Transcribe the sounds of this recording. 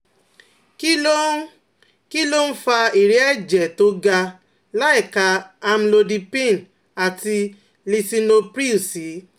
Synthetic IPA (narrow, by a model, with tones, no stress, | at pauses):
k | ki˦lo˦n̩˦fa˧i˨ɾi˨˦ɛ˦d͡ʒɛ˨to˨˦ɡa˧ | la˦ɛ˦˨ka˧a˧m̩˦lo˧di˧pẽ˦˨n˨ | a˨ti˧ | li˧si˧no˧pɾi˦˨si˨˦